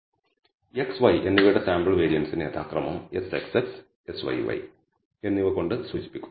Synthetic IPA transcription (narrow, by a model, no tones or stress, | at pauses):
eksʋɐjʔe̞nːiʋejɽesaːmbɨɭʋe̞ːɾijɐnsinḛːt̪a̰ːkrɐmɐmesekseks | esʋɐ̰jʋɐ̰j | e̞nːiʋɐko̞ɳɖɨsuːt͡ɕi̥pːikʲːum